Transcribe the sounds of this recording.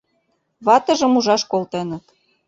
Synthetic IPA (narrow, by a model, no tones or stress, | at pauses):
βɑt̪ɤ̆ʒə̆muʒɑʃkolt̪enə̆t̪